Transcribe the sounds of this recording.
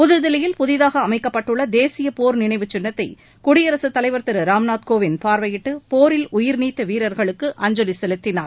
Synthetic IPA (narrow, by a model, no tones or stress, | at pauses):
pʊðɯɾðɪlɐjɪlpʊðɪðaːɣɐːmɐɪkːɐpːɐʈːɯɭːɐd̪eːsɪjɐpoːɾnɪɳɐɪʋɯt͡ʃːɪnːɐt̪ːɐɪ | kʊɽɪjɐɾɐsɯt̪ːɐlɐɪʋɐɾt̪ɐɾɯɾaːmnaːt̪̚koːʋɪnpaːɾʋɐjɪʈːɯpoːɾɪlʊjɪɾniːt̪ːɐʋiːɾɐɾɣɐɭɯkːɯʔɐɲd͡ʒɔlɪsɛlɯt̪ːɪnaːɾ